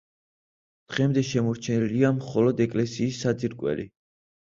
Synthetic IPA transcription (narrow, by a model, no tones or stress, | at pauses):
d̪̥ʁɛmd̪ɛʃɛmɔɾt͡ʃʰɛnɛliamχɔlɔd̪ɛkʼlɛsiːsːad̪zʼiɾkʼwɛ̰lḭ